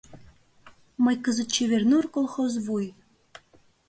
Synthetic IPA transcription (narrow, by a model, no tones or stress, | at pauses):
mɤjkəzə̆t̪̚t͡ɕeβernurkolˠxozβuj